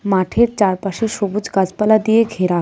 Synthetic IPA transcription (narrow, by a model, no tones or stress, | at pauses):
maʈʰeɾt͡ɕaɾpaʃeʃobud͡zɡad͡zpalad̪ijeɡʱeɾa